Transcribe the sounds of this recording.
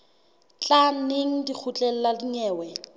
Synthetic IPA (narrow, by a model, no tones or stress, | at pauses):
t͡ɬʼaneŋ̩dik͡xʰʊt͡ɬʼɛl̩ladiɲɛːwɛ